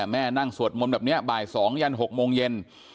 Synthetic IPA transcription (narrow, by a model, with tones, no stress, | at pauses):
mɛː˥˩na˥˩ŋsu˨˩ət̪̚mo˧nbɛː˨˩p̚ni˦˥ɐbaː˨˩jsɔː˩˦ŋja˧nɦo˨˩k̚moː˧ŋje˧n